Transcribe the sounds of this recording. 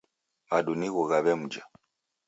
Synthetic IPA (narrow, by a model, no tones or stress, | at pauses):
maɗuniɣuɣaβɛm̩d͡ʒa